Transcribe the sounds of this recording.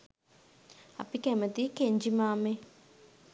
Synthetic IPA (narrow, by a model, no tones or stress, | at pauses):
ɐ̰pikɛmət̪iːkeɲd͡ʒimaːme